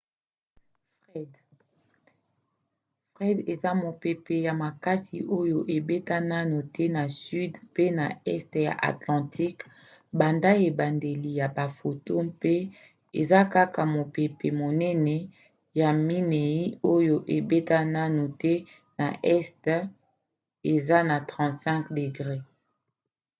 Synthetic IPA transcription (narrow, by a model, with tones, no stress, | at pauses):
f | ɛ˦d | fʁɛ˦de˨za˦mo˨pe˨pe˨ja˨ma˨ka˦sḭ˨ʔo˦jo˨ʔe˨be˦ta˦na˦nu˨tʰɛ˦na˨sy˦dpe˦na˨ɛ˦stja̰˨ʔa̰˨tlɑ̃˨ti˦k | ba˨nda˦e˨ba˨nde˨li˨ja˨ba˨fo˨to˦pe˦ | e˨za˦ka˦ka˨mo˨pe˨pe˨mo˨nɛ˦nɛ˨ | ja˨mi˦ne˨i˦o˦jo˨ʔe˨be˦ta˦na˦nu˨tɛ˦ | na˨ʔɛ˦st | e˨za˦na˨tʁɑ̃˨tsɛ̃˦kde˨ɡʁe˦